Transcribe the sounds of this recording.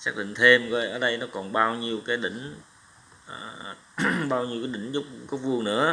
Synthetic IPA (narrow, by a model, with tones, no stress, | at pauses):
saː˦˥k̚ɗḭ̈˧˨ŋt̪ʰe˧mə˧jʔəː˨˩ɗə˧jnɔ˨˦kɔ˨˩nɓaː˧wɲi˧əwkaː˨˦jɗï˧˩˨ŋ̟ | ʔəː˨˩ | ɓaː˧wɲi˧wkaː˨˦ɗï˧˩˦ŋ̟zʊ˦˥k͡p̚zɔ˦˥wk͡p̚vɨ˧əŋnɨ̰˧˥ə